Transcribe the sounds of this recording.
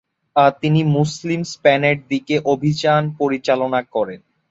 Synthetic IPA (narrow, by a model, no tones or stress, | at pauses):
aɾt̪inimuslimspɛneʈ̚d̪ikeʔobʱid͡ʑanpoɾit͡ɕalonakɔɾen